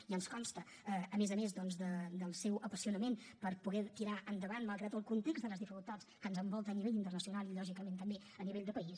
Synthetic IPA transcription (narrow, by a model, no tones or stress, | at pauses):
iənskɔmst̪ə | əəmezəmezd̪ɔnzðəd̪əlˠsɛwəpəsiunəmenpəɾpuɣɛt̪iɾaʔənd̪əβanmalˠɣɾat̪əlˠkunt̪ekzd̪ələzðifikulˠt̪at͡skənzəmbɔlˠt̪əːniβeʎint̪ərnəsiunalˠiʎɔʒikəmẽnt̪əmbe | əniβeʎd̪əpəis